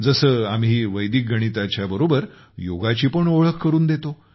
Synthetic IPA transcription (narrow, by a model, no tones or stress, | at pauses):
d͡zəsəːamɦiːʋəjd̪ik̚ɡʱəɽ̃it̪at͡ɕjabəɾobəɾ | joɡat͡ɕiːpəɳoɭəkːəɾuːnd̪et̪o